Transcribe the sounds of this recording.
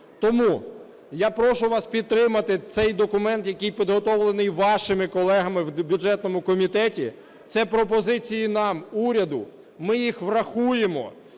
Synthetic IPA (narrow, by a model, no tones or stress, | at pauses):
t̪ɔmu | japɾɔʃʊʋɑspʲid̪̚t̪ɾɪmɐt̪ɪt̪sɛjd̪ɔkʊmɛnt̪jɐkɪjpʲid̪ɦɔt̪ɔʋlˠenɪjʋɑʃɪmɪkɔlˠɛɦɐmɪwbʲjʊd͡ʒɛt̪̚nɔmʊkɔmʲit̪ɛtʲi | t̪sɛpɾɔp̬ɔzɪt͡sʲijinɑmuɾʲɐd̪ʊ | mɪjixʋrɐxujemɔ̰